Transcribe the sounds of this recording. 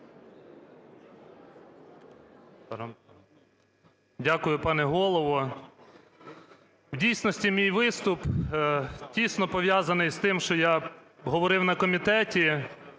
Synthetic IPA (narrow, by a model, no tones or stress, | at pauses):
dʲakʊjʊpɑnɛɦɔlˠɔʋɔ | wdʲijsnɔsʲtʲimʲijʋɪst̪ʊp | tʲisnɔpɔʋjazɐnɪjst̪ɪmʃt͡ʃɔja | ɦɔʋɔɾɪwnɐkɔmʲit̪ɛtʲi